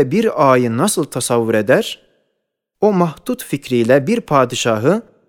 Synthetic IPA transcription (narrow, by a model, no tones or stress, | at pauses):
biɾɑːjɯnɑsɯlˠt̪ʰæsɑvːuɾed̪æɾ | o̞mɑht̪ut̪ficʰɾijlæbiɾpʰɑːd̪iʃɑɦɯ